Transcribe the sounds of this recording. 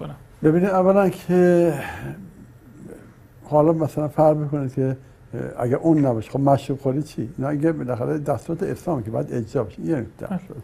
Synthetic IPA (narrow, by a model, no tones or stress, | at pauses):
bebiːnid̪ævːælænkʰe | hɒlɒmæsælænfæɾɾbikonid̪kʰe | æ̰ɡæɾʔunːæbɒːʃe̥xobmæʃɾuːbxoɾit͡ʃʰiinɒiŋkebelæxæɾed̪æst̪uɾæt̪ʰeeɾsɒːmikʰebɒjæd̪ed͡ʒzɒːbeʃeineid̪æ̰ʃo̰d̪̥